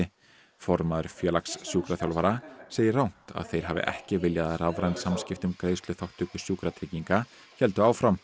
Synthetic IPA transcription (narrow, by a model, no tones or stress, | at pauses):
ɪ | fɔɾmaðʏɾfjœːlaksːjuːkɾaθjawlvaɾaseːjɪrawn̥t̪a̰ðθejɾ̥ɦavɪ̰ʔɛ̰hcɪvɪljaðaravɾajnsamscɪft̪ʏmkɾeːjst̪lʏθawht̪ʏkʏsjuːkɾat̪ʰɾɪciŋka | çɛl̪t̪ʏaːwfɾam